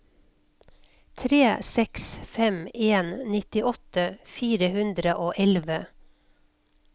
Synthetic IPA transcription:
t̪ʰɾeːsɛksfɛmeːnnɪt̪ɪʔɔt̪əfiːɾəhʉnd̪ɾəʔoːʔɛlʋə

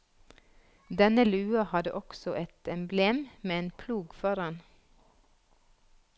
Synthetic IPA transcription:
d̪ɛnəlʉːɑhɑd̪ə̰ʔɔksɔʔɛt̪ɛmbleːmmeːeːnpʰluːɡfɔɾɑn

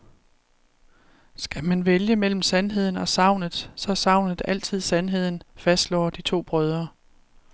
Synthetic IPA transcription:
sɡ̥æmænʋeljəmel̰m̩sænɦe̝ð̰ˠn̩ɒ̽sɑ̈ʊ̰nð̩ˠsɒ̽sɑ̈ʊ̰nð̩ˠæl̰t͡sʰið̞̰ˠsænɦe̝ð̞̰ˠn̩fæsd̥lɒ̰ːd̥it͡sʰo̝̰ːb̥ʁœːð̞ˠɐ

